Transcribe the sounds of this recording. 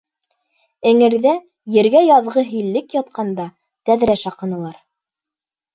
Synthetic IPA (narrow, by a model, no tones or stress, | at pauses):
ɘ̆ŋɘ̆ɾðæ | jɘ̆ɾɡæjɑðʁɤɦilːɘkjɑt̪̚qɑnd̪ɑ | t̪æðɾæʃɑqɤ̆nɤ̆lˠɑɾ